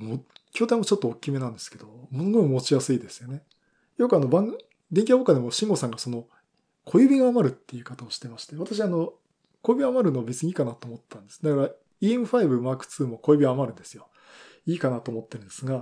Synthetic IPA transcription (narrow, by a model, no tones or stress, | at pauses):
mokʲo̞ːt̪ãmot͡ɕo̞t̪ːoːkʲːime̞nãnd̪esɨ̥ke̞d̪o̞moɡokimot͡ɕijasɨid̪e̞sɨjo̞ne | jo̞kɯano̞bãŋɡ | d̪eŋkʲahokːad̪e̞mo̞ɕĩŋɡo̞sãŋɡaso̞no̞ | kʰo̞jɯ̟bʲiɡaːmaɾɯ̟t̪ːe̞jɯ̟kat̪aoɕi̥t̪e̞maɕi̥t̪e̞βat̪aɕ̬iano̞ | ko̞jɯ̟bʲiamaɾɯ̟noabe̞t͡sɨɲ̟iːkanat̪oːmot̪ːe̥t̪ːãnd̪e̞sɨ̥d̪akaɾa | iːmɯ̟ɸaibɯ̟maːkɯ̟̥t͡sɨːmoko̞jɯbʲiɡaːmaɾɯ̟̃nd̪e̞sɨjo̞ | iːkanat̪o̞ːmo̞t̪ːe̞ɾɯ̟nd̪esɨɡa